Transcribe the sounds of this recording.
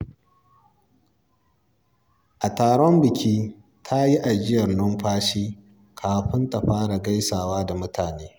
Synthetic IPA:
ʔa˨taː˨ɽɔ˦mbɪ˨kʲʰiː˦ | tʰa˦ji˦ʔa˨d͡ʒɪ˦jɐ˨rnɔ˦mɸaː˦ʃiː˦ | kʰaː˨ɸɪ˦nta˨ɸaː˦ɽa˨ɡa˦jsaː˨waː˦da˨mʊ˦tʰaː˨neː˦

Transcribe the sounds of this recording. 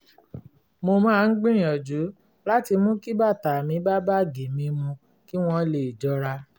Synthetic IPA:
mo˧mãː˦˧n̩˦ɡ͡bĩ˦ɾĩ˨ɔ˨d͡ʒu˨˦ | la˦ti˧mũ˦ki˦ba˦˨ta˨mĩ˧˦ba˦ba˦˨ɡe˨mĩ˧mũ˧ | ki˦w̃ɔ̃˧le˨i˨d͡ʒɔ˧˦ɾa˧

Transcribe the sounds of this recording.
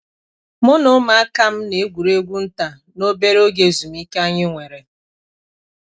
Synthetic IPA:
mʊ˦nʊ˦ma˨a˦ka˦m̩˦ne˨e˦ɡʷu˨ɾe˦ɡʷu˦n̩˦ta˨ | no˦be˦ɾo˦ɡe˨zu˨m˦i˦ka˦ɲɪ˦ŋʷe˨ɾe˨

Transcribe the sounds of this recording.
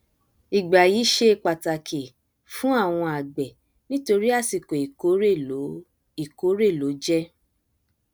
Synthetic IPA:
i˨ɡ͡ba˨ji˨˦ʃe˧˦˧k͡pa˨ta˨kʰe˨ | fũ˦a˦˨w̃ɔ̃˧a˨ɡ͡bɛ˨ | nĩ˦to˧ɾi˦a˦˨si˨ko˨i˨o˨˦ɾe˦˨o˨˦ | i˦˨ko˨˦ɾe˦˨lo˨˦d͡ʒɛ˦

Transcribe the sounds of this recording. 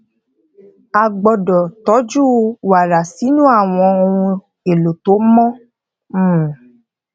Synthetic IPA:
a˧ɡ͡bɔ˧dɔ˨tɔ˨˦d͡ʒu˦wa˨ɾa˨si˨˦nũ˦a˦˨w̃ɔ̃˧o˧wũ˧ | e˨lo˨to˨˦mɔ̃˦˨

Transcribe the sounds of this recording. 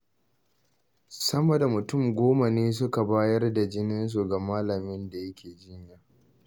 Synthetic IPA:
sɐ˦mo˨da˨mʊ˨tʊ˦˨mɡʷoː˦ma˨neː˦s̬ʊ˦ka˨baː˦jɐ˦rda˨d͡ʒɪ˦nɪ˦ns̬u˨ɡa˨maː˦lɐ˨mɪ˦nda˨jɐ˦kʲʰeː˨d͡ʒɪ˦ɲjaː˨

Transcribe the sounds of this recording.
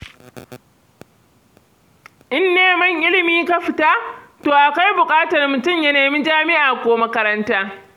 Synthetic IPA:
ʔɪ˦nːeː˨mɐ˦ŋʔɪ˦lɪ˨miː˦ka˦ɸɪ˨ta˦toː˨ʔa˨ka˦jbʊ˨kʼaː˦tɐ˨rmʊ˨tʊ˦˨mjɐ˦neː˨mi˦d͡ʒaː˦mɪ˦ʔaː˨kʷoː˦mɐ˦kɐ˦ɾɐ˦ntaː˦

